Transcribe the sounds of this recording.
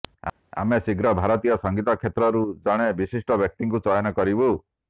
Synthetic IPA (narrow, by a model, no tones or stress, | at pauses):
a̰mesiɡɾɔbʱaɾɔt̪ijɔsɔŋɡit̪akʰet̪ɾɔɾud͡ʒɔɽ̃ebisisʈɔbjɔk̚t̪iŋkut͡ʃɔjɔnɔkɔɾibu